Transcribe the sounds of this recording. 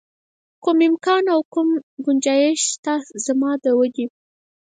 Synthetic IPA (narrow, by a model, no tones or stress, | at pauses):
kumɪmkɑnawkumɡʊnd͡ʒɑjɪʃt̪ɑzamɑd̪əwəɡi